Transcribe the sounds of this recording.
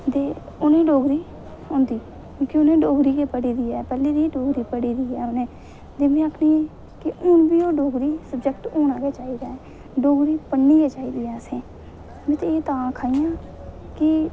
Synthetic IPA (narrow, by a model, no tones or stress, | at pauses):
d̪eː | ʊnẽːɖoːɡɾiː | õːnd̪iː | õkiʊnẽːɖoːɡɾiːkeːpəɽiːd̪iːɛːpɛːleːd̪iːɖoːɡɾiːpəɽiːd̪iːɛːʊnẽː | d̪eːmĩːãːkʰniːɛː | kɪʊnbiːoːɖoːɡɾiːsəbd͡ʒək̚ʈoːnaːɡeːt͡ʃaːiːd̪aːɛː | ɖoːɡɾiːpəɳːiːɛːt͡ʃaːiːd̪iːɛːsẽː | bɪt̪eeːt̪ãːkʰaːijãː | kɪ